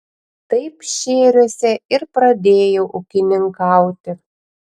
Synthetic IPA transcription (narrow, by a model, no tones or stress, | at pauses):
t̪ɐɪpʃʲeːɾʲosʲɛɪɾpɾɐd̪ʲeːjoʔukʲɪnʲɪŋkɑʊt̪ʲɪ